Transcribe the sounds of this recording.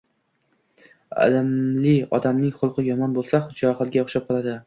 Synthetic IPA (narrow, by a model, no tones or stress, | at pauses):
a̰lɪmlɪɒ̰d̪amnɪŋχʊlˠqɨjɒmɒnbolˠsaχʊd̪t͡ʃɒχɨlˠɡʲaʊχʃap̚qʰɒlˠad̪ɪ